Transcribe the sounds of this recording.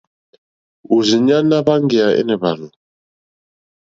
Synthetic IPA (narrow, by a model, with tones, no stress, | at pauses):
u˨zi˨ɲa˦na˦βa˦ŋɡɛ˨a˨ɛ̰˦nɛ˨βa˨lu˨